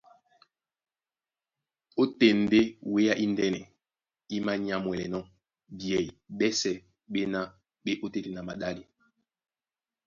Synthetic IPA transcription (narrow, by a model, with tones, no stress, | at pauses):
o˦te˨n˨de˦we˦ja˦ʔi˦ndɛ˦nɛ˨ | i˦ma˦ɲ˦a˨mwɛ˨lɛ˨nɔ˦ | bjɛ˨i˨bɛ˦sɛ˨ | ɓe˦na˦ | ɓe˦ʔo˦te˦te˨na˨ma˨da˦li˨